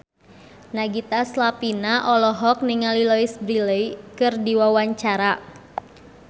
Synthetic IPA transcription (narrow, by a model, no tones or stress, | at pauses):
naɡit̪aslapinaʔɔlɔɦɔk̚niŋalilɔisbɾiləikɨrdiwawaɲt͡ʃaɾa